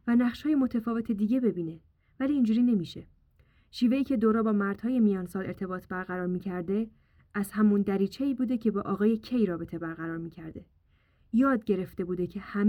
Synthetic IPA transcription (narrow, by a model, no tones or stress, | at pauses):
vænæχʃhɒːje̞mot̪ʰæfɒːve̞t̪ʰe̞d̪iːɟe̞be̞biːne̞ | væliːnd͡ʒuːɾiːne̞miːʃe̞ | ʃiːve̞iːcʰe̞d̪oɾɒːbɒːmæɾd̪̥hɒːje̞mijɒːnsɒːle̞ɾt̪ʰe̞bɒːt̪ʰbæɾɣæɾɒːɾmiːcʰæɾd̪e̞ | æz̥hæmund̪æɾiːt͡ʃʰe̞iːbuːd̪e̞cʰe̞bɒːʔɒːɣɒːje̞cʰe̞jɾɒːbe̞t̪ʰe̞bæɾɣæɾɒːɾmiːcʰæɾd̪e̞ | jɒːd̪̚ɟe̞ɾe̞ft̪e̞buːd̪e̞cʰe̞hæm